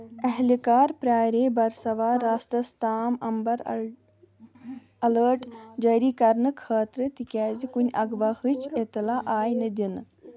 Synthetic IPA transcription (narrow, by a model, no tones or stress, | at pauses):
ɛɦlikaːɾpɾaːɾeːbɐɾsɐʋaːɾaːst̪ɐst̪ʰaːmɐmbɐɾ | ɐləːʈd͡ʒɐːɾiːkɐɾnɨkʰəːt̪ɾɨt̪ikʲɛːzikunʲɐɡʋahɨt͡ʃet̪laːʔaːjnɨd̪inɨ